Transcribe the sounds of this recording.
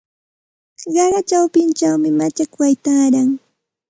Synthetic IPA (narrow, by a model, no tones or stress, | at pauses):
ɢɑɢɑt͡ʃawpɪnt͡ʃawmɪmat͡ʃakwajt̪aːɾaŋ